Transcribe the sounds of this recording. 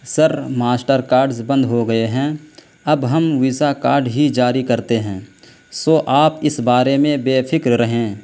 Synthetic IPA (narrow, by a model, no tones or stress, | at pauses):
sɐɾmaːsʈəɾkaːɾɖzbə̃nd̪ɦoɡɐeɦɛ̃ | ɐbɦɐmʋisakaːɾɖɦid͡ʒaːɾikɐɾt̪eɦɛ̃ː | soːʔaːpɪsbaːɾemẽbeːpʰɪkɾɾɐɦẽː